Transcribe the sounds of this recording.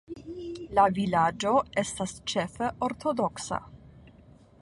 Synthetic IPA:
lavilad͡ʒo̞e̞stast͡ʃe̞feʔoɾtʰo̞do̞ksa̰

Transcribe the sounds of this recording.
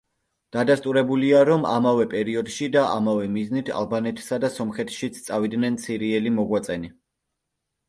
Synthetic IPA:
d̪̥ad̪ast̪ʼuɾɛbuliaɾɔma̰mavɛpʼɛɾiɔd̪ʃid̪aʔa̰mavɛmiznit̪ʰa̰lˠbanɛt̪ʰsad̪asɔmχɛt̪ʰʃit̪sʰt̪sʼavid̪nɛnt̪sʰiɾiɛlimɔɡwat̪sʼɛni

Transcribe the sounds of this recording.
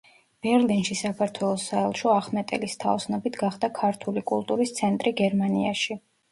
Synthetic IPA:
b̥ɛɾlinʃisakʰaɾt̪ʰwɛlˠɔsːaɛlˠʃɔaχmɛt̪ʼɛ̰list̪ʰaɔsnɔbit̪ʰɡaχd̪akʰaɾt̪ʰulikʼulˠt̪ʼuɾist̪sʰɛnt̪ʼɾiɡɛɾmaniaʃi

